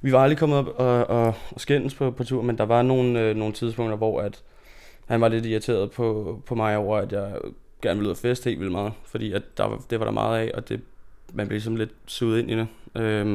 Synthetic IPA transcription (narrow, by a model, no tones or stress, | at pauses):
ʋiʋɑ̈ɑld̥ʁikʰɒ̽mð̩ˠɒb̥ɒɒsɡ̥en̰spʰɒ̽pʰɒ̽t͡sʰuɐ̰mend̥ɑ̈ʋɑ̈no̝ːn̩øno̝ːn̩t͡sʰið̞ˠsb̥ɔ̽ŋ̰dɐʋɒ̰æd̥ | hænʋɑ̈le̝d̥iæt͡sʰe̝̰ːɐð̞̩ˠpʰɒ̽pʰɒ̽mɑ̈ɪɒʊ̰ɐæd̥jɑ̈ɪ | ɡ̥æɐnəʋelyð̰ˠɐfesd̥he̝̰lʋilmɑ̈ːð̩ˠfɒd̥ḭːæd̥ːɑ̈d̥e̝ʋɑ̈ɾ̥ɑ̈mɑ̰̈ːð̩ˠɛ̰ʔɒ̽d̥e̝mænb̥le̝lisɒ̽mle̝d̥suð̩ˠe̝nʔid̥eø